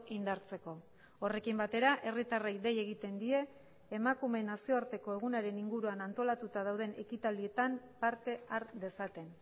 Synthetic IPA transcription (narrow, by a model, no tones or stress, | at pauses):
ind̪aɾt͡se̞ko̞ | ore̞kimbat̪e̞ɾaʔe̞rit̪arejd̪e̞je̞ɣit̪e̞nd̪ie̞ː | makume̞nasio̞aɾt̪e̞ko̞e̞ɣ̞unaɾe̞niŋɡuɾuanant̪o̞lat̪ut̪aðawð̞e̞nʔe̞kit̪ald̪ie̞t̪ampaɾt̪e̞aɾðe̞sat̪e̞n